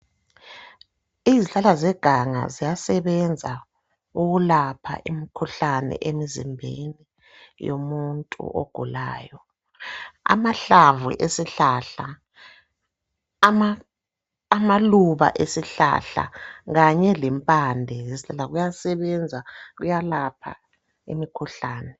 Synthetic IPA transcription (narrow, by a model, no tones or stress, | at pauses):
iziɬalazɛɡ̥ʱaŋa̰zijasɛβɛnd͡zʱa | uɣulapʰa̰ʔimikʰuɬanɛ̰ʔemizḭmbʱḛni | jo̰muntʼṵʔoɡ̥ʱula̰ːjɔ | a̰maɬavṵʔesiɬaɬa | maː | maluβa̰ʔesiɬa̰ɬa̰ɣaɲɛlɛmpʼandʱɛeziɬalaɣujasɛβɛnd͡zʱaɣujalapʰa̰ | ḭmikʰuɬaːnɛ